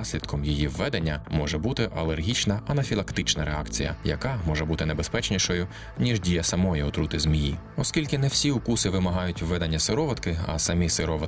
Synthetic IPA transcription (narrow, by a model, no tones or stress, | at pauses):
sʲlʲid̪kʰɔmjijiʋːɛd̪enʲːɐmɔʒɛbut̪ɪʔɐlˠerɦʲit͡ʃnɐɐnɐfʲilˠɐkt̪ɪt͡ʃnɐɾeɑkt͡sʲijɐ̰jɐ̰kɑmɔʒɛbut̪ɪnebespɛt͡ʃnʲiʃɔjʊ | nʲiʒdʲijɐsɐmɔjiʊt̪ɾut̪ɪzmʲiji | ɔskʲilʲkɪnɛw̥sʲiukusɪʋɪmɐɦɑjʊtʲʋːɛd̪ɐnʲːɐsɪɾɔʋɐt̪kɪɐ̰sɐmʲisɪɾɔʋɐ